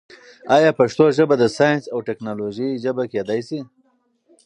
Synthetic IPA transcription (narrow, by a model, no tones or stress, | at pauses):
ɑjɑpaʂt̪oʒəbad̪əsɑjnsawʈeknɑloʒiʒəbaked̪ajsi